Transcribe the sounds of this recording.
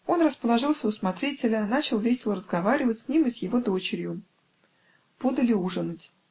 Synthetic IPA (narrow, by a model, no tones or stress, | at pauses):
o̞nrəspəlˠɐʐɨlˠsʲəʊsmɐt̪ɾʲetʲɪlʲənat͡ɕɪlˠvʲesʲɪlˠəɾəzɡɐvaɾʲɪvətʲsʲnʲimɨsjɪvo̞d̪o̞t͡ɕɪɾʲjʊ | b̥od̪əlʲɪuʐənɨtʲ